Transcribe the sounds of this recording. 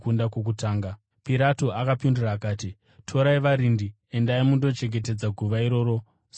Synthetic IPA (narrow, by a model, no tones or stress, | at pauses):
kundakok̬utaːŋɡa | piɾatoʔakapinduraːkaːti | tʰo̞ɾaiʋaɾindi | endaimundo̞t͡ʃe̞ŋɡe̞t̬e̞d͡zaɡʱuʋaiɾo̞ːɾo̞ | s